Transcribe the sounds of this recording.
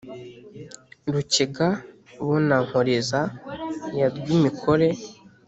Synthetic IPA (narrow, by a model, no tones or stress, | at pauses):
ɾuciɡa | βonaŋ̥hoɾezajaɾɡimikʰoɾe̞